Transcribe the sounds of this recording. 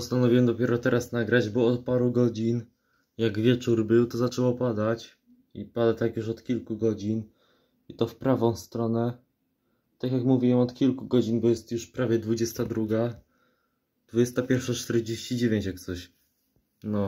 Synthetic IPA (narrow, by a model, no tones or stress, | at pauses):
pɔst̪anɔvʲiwɛmd̪ɔpʲɛɾɔt̪ɛɾasnaɡɾad͡ʑbɔːt̪̚paɾuɡɔd͡ʑin | jaɡvʲjɛt͡ʂuɾbɘwt̪ɔzat͡ʂɛwɔpad̪at͡ɕ | ipad̪at̪akjuʂɔt̪kʲilkuɡɔd͡ʑin | it̪ɔfpɾavɔ̃w̃st̪ɾɔnɛ | t̪akjakmuvʲiwɛmɔt̪kʲilkuɡɔd͡ʑinbɔjɛst̪juʂpɾavʲjɛd̪vud͡ʑɛst̪ad̪ɾuɡa | d̪̥vud͡ʑɛst̪apʲjɛɾfʂat͡ʂt̪ɛɾd͡ʑeɕt͡ɕid͡ʑevʲjeɲt͡ɕjak̚t̪sɔɕ | nɔ